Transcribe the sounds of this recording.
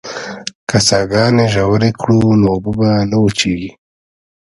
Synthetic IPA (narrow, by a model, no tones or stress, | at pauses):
kasɑɡɑːneʒawɾekʰɽunoːbəbanawut͡ʃeɡi